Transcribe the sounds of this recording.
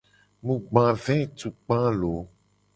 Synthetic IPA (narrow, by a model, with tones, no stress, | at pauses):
mũ˨ɡ͡bã˨vɛ̃˦t̪u˨k͡pã˦lo˨˦